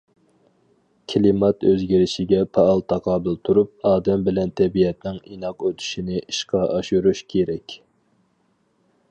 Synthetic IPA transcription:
kʲʰilimɑt̪øzɡʲiɾɪʃiɡʲɛpʰɑɑlˠt̪ʰɑqʰɑːbɨlˠt̪ʰuɾup̚ɑːd̪ɛmbɪlɛnt̪ʰɛbijɛt̪nɪŋinɑqøt̪ʰy̥ʃinɪʔiʃqʰɑʔɑʃuɾuʃkʲʰeɾɛkʲ

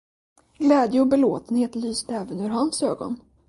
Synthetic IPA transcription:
ɡlɛːd̪jəɔbɛloːt̪ənheːt̪lyːsd̪ɛːvənɵɾɦansøːɡɔ̰n

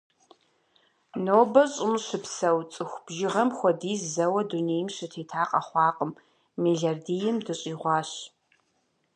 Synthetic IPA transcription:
noːbɐɕʼɪmʃɨpsɐwt͡sʼɨxʷb̥ʒɪʁɐmxʷɔdiːzzɐwɐduneːjmɕɨtʰeːtʰaːqʼɐχʷɑːqʼəm | miɮardijɪmdɨɕʼiːʁʷɑːɕ

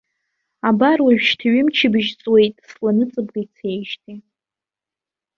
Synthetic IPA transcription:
abarwaɥᶣʃtʰɥɪmt͡ʃʰɪbɨʒt͡sʼwe̞jtʼslanɨt͡sʼɨb̚ɡajt͡sʰe̞jʃtʰi

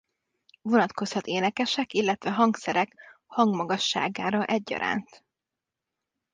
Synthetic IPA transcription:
vo̞nɒt̪ko̞shɒt̪eːnɛkɛʃɛkilːɛt̪ʋɛɦɒŋksɛɾɛkhɒŋɡmɒɡɒʃːa̰ːɡaːɾɒʔɛɟːɒ̰ɾa̰ːnt̪

